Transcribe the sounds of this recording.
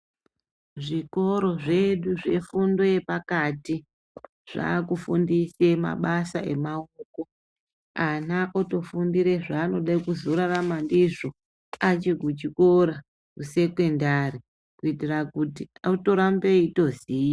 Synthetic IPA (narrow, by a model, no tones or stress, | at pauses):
ʐiko̞ɾo̞ʐe̞ɗuʐe̞fundo̞je̞pakati | ʐ̥a̰ːkufundise̞ma̰ɓasae̞̰maoko̞ | anaʔoto̞fundiɾeʐaːno̞ɗaikuzoɾaramandiʐo̞ | at͡ʃiɡʱut͡ʃikoɾa | kuse̞kwe̞ndari | kuitirakutiauto̞ɾambeito̞ziːja